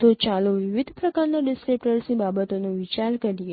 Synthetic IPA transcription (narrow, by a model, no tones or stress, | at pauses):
ot͡ʃaloʋiʋid̪ʱpɾəkaɾnaɖɪskɾep̚ʈəɾsnĩbabət̪onũʋit͡ʃaɾkəɾije